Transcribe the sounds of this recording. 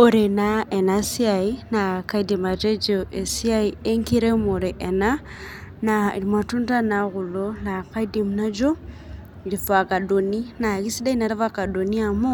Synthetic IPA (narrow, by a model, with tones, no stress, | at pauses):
o˨ɾe˨nae˨na˨si˦a˨i˦na˨ka˦i˦di˨ma˨te˦d͡ʒoʔe˨si˦a˦ie˦ŋki˦ɾe˦mo˨ɾe˨ʔe˨na˦ | na˨ḭ˨ɾi˨mwa˨tu˦nta˦na˨ɣu˨lo˦na˨ka˦i˦di˨mna˦d͡ʒo˦ | i˨ɾi˨fa˨ka˨do˨ni˦na˨ɣi˦si˦da˦i˦na˨ɾi˦va˦ka˨do˨ni˦a˨mo˦